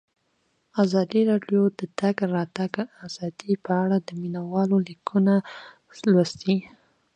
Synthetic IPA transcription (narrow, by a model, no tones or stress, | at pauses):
azɑd̪iɾɑɖjod̪̥ət̪aɡɾɑt̪aɡaz̥ɑd̪̥ipəaɽad̪əminawɑlolikʰuna | lwast̪i